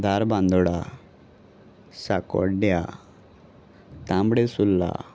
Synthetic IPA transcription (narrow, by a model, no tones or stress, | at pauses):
d̪ʱaɾbãnd̪ɔɽa | sakɔ̰ɽɖja̰ | t̪ãmbɽesulːa̰